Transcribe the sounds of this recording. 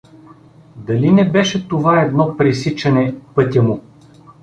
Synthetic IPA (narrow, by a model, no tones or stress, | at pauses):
d̪ɐlinɛbɛʃɛt̪ovaɛd̪nɔpɾisit͡ʃɐnɛpɤt̪ʲɐmʊ